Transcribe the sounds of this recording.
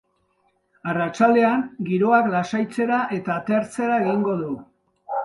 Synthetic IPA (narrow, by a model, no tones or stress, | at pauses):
arat͡ʃald̪e̞aŋɡiɾo̞aklasajt͡se̞ɾaʔe̞t̪aːt̪eaɾt͡se̞ɾae̞ɣiŋɡo̞ðu